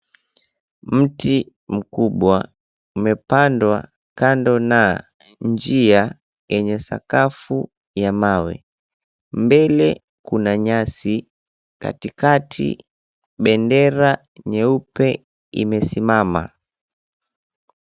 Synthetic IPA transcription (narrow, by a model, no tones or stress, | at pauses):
m̩ti | m̩kuɓwa | umɛpandwa̰ | kandɔna | ɲd͡ʒia | jɛɲɛsa̰kafu | jamawɛ̰ | mbɛlɛ | kunaɲasi | ka̰tikatʰḭ | ɓɛndɛɾa | ɲɛupɛ | ḭmɛsimama̰